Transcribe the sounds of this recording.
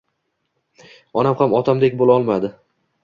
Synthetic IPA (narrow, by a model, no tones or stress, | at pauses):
ɒnamhamɒt̪ʰamd̪ekʲbolaɒlˠmad̪ɪ